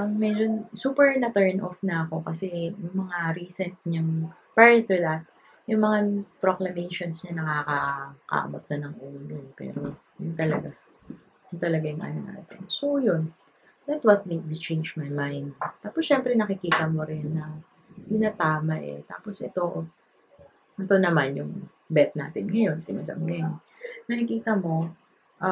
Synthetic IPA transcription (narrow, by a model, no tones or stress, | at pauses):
ʔɐmmɛjd͡ʒonsuːpɛɹnɐt̪ɛɹnʔo̰fnɐʔɐko̞kɐsɛjʊŋmɐŋaɾiːsɛnt̪̚ɲaŋ | pɛɹɛt̪ud̪at̪̚ | jʊŋmɐŋapɾoklɐmejʃonsɲɐnɐkaːkɐkɐ̰ʔɐ̰bɐt̪̚nɐnɐŋʔuːlopɛ̰ːɾojʊŋt̪ɐlɐɡa | jʊŋt̪ɐlɐɡajʊŋʔɐ̰nona̰ːt̪ɪ̰nsojon | d̪ɐt̪wɐt̪̚miwit͡ʃẽjnd͡ʒmajmajnd̪̚t̪aːposʃɛmpɾɛnɐkɪkiːt̪ɐmoɾɪnːɐ | kɪnat̪aːmɐʔɛ̰t̪aːpo̞sʔɛt̪o̞ | ʔɛt̪o̞nɐmanjʊŋ | bɛt̪̚naːt̪ɪnŋɐjo̞nsɪmɐd̪ɐ̰mɡɛŋ | nɐkɪkiːt̪ɐmo̞ | ʔ